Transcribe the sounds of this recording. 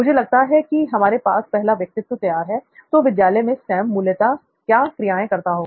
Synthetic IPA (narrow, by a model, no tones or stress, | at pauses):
mʊd͡ʒʱelɐɡ̚t̪aɦɛkiɦɐmaːɾepaːspɛɦlaʋjɐk̚t̪ɪt̪wət̪ɐjaːɾɦɛt̪oːʋɪd̪jaːlɛmẽsɛːmːʊljət̪a | kjaːkɾijaːẽkɐɾt̪aɦoː